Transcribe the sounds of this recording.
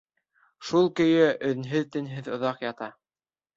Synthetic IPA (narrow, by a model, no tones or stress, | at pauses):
ʃulˠkɵ̆jɘɵ̆ðɘ̆nɦɘðt̪ɘ̆nɦɘðŏðɑqjɑt̪ɑ